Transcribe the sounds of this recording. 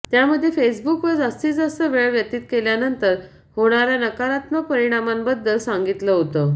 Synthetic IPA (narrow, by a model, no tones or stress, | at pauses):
t̪jaməd̪ʱːjefes̬bukʋəd͡zast̪iːd͡zəsəʋeɭʋjət̪iːt̪keljanənt̪əɾ | hoɽ̃aɾjanəkaɾat̪məpəɾiɽ̃amanbəd̪ːəlsaŋɡit̪ləɦot̪ə